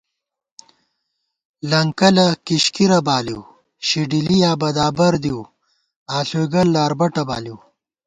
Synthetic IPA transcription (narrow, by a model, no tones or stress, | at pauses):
lɐŋkɐlɐkiɕkiɾɐbaːliw | ɕiɖilijaːbɐd̪aːbɐɾd̪iw | aːɬuɡɐlːaːɾbɐʈɐba̰ːliw